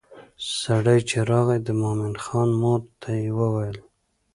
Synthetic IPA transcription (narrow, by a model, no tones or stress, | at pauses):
saɽajt͡ʃeɾɑɣajd̪əmɑmɪnxɑnmoɾt̪ʰajewəwajəl